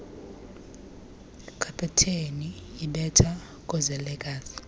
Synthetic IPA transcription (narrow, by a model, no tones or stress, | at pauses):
kʰapʰʼɛtʰeniiɓɛtʰa | kʼɔzɛlɛkʼaːsi̥